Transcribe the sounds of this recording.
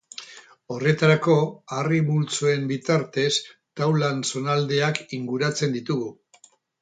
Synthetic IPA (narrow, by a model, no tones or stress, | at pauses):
o̞re̞t̪aɾako̞arimult͡soe̞mbit̪aɾt̪e̞st̪awlanso̞nald̪e̞akiŋɡuɾat͡se̞nd̪it̪uɣu